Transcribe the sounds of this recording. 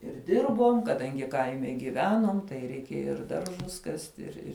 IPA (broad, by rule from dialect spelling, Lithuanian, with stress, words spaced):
ɪr ˈdʲɪrboːm kɐˈdɐŋʲɡʲɪ ˈkɐɪmʲɛ ɡʲɪˈʋʲæːnuɔm tɐɪ rʲɛɪˈkʲeːjɛ ɪr ˈdɐrʒʊs ˈkɑːsʲtʲɪ ɪr ˈɪr